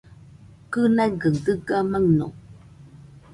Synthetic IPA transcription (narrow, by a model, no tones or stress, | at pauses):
kɨnaɡəŋdəɡamaŋno̰